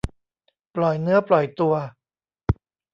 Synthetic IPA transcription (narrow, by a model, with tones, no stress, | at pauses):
plɔ˨˩jnɯ˦˥ɐplɔ˨˩jt̪u˧ɐ